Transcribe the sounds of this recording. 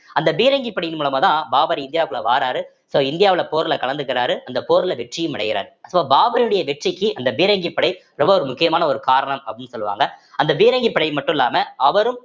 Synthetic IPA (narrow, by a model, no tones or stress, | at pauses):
ɐnd̪ɐbiːɾɐŋɡipːɐɽɪjɪnmuːlɐmaːt̪ãːbaːbɐɾɪɪnd̪ɪjaːkɯɭɐ̰ʋa̰ːɾaːɾɯ | soːɪnd̪ɪjaːʋɪɭɐpoːɾlɐkɐɭɐnd̪ɯkːɪɾaːɾɯʔɐnd̪ɐpoːɾɪlɐʋɛʈrɪjɯmɪɽɐ̰ɣɪɾa̰ːɾɐsʋɐːbaːbɐɾɪɯɽɐjɐʋɛʈrɪkːɯʔɐnd̪ɐbiːɾɐŋɡipːɐɽɐɪ | ɾɔmbɐɔɾɯmʊkːɪjɐmaːnɐɔɾɯkaːɾɐɳɐmɐpːɪnːɯsɔlːɯʋa̰ːŋɡɐɐnd̪ɐbiːɾɐŋɡipːɐɽɐɪmɐʈːɯ̃ɪlːaːmɐɐʋɐɾɯm